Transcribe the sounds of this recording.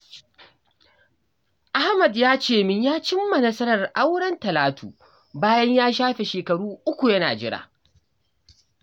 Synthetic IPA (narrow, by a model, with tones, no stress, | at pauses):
ʔa˦hmɐ˨djaː˦t͡ʃeː˦˨mɪ˦ɲjaː˦t͡ʃɪ˦mːɐ˨nɐ˦sɐ˦ɾɐ˨rʔa˦wɽɐ˦ntɐ˨laː˦tʰuː˨ | baː˦jɐ˦ɲjaː˦ʃ̬aː˦ɸe˨ʃeː˨kɐ˨ɽuː˦ʔʊ˦kʷu˨jɐ˦na̰ː˨d͡ʒɪ˦ɽa̰ː˨